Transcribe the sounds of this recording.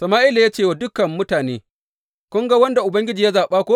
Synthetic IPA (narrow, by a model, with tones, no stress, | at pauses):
sɐ˨maː˦ʔɪ˦la˨jaː˦t͡ʃeː˦˨wa˨dʊ˦kɐ˨mːʊ˦taː˨neː˦ | kʷʊ˦ŋɡa˦wɐ˦nda˨ʔʊ˨bɐ˦ŋɡʲɪ˦d͡ʒiː˨ja˦zaː˨ɓaː˦kʷoː˦